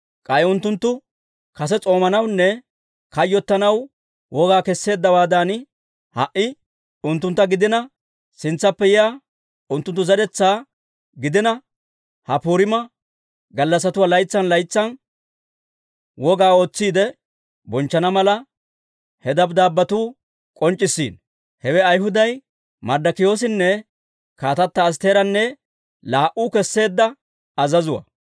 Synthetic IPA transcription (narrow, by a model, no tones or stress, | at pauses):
kʼɐjʊnt̪ːʊnt̪ːʊ | kɐs̬ɛt͡sʼo̞ːmɐnɐwnːɛ | kɐjːɔt̪ːɐnɐw | wʔɔɡaːkɛsːe̞ːd̪ːɐwaːd̪aːn | hɐʔɪ | ʊnt̪ːʊnt̪ːɐɡɪd̪ɪnɐ | sɪnt͡sːɐpːɛjɪja | ʊnt̪ːʊnt̪ːʊzɐdɛt͡sːaː | ɡɪd̪ɪnɐ | hɐpuːɾɪmɐ | ɡɐlːɐs̬ɐt̪ʊwaːlɐjt͡sːɐnlɐjt͡sːɐn | wɔɡaːo̞ːt͡sːiːd̪ɛ | bɔnt͡ʃːɐnɐmɐlɐ | hɛd̪ɐbd̪aːbːɐt̪uː | kʼɔnt͡ʃʼːɪsːḭːn | hɛwɛɐjɦʊd̪ɐj | mɐɾd̪ɐkɪjo̞ːs̬ɪnːɛ | kaːt̪ɐt̪ːɐːs̬t̪e̞ːɾɐnːɛ | laːʔuːkɛsːe̞ːd̪ːɐ | ɐzɐzʊwɐ̰